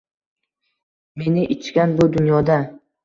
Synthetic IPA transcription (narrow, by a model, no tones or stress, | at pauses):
me̞nɪʔɪt͡ʃʰkʲanbʊd̪ʊnjɒd̪a